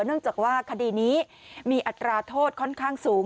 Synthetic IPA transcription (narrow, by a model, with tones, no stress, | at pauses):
nɯ˥˩əŋt͡ɕaː˨˩k̚waː˥˩kʰa˧diː˧˩niː˦˥ | miː˧ʔa˨˩t̪ɾaː˧t̪ʰoː˥˩t̪̚kʰɔ˥˩nkʰaː˥˩ŋsuː˩˦ŋ